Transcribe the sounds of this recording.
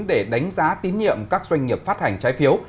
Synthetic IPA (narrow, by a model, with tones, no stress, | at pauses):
nɗe˧˩ɗa˨˦jŋ̟zaː˨˦t̪i˨˦nɲḭ˧˨əmkaː˦˥k̚zwa˧jŋ̟ːi˨˩əp̚faː˦˥t̚ha˨˩jŋ̟t͡ɕaː˨˦jfi˨˦əw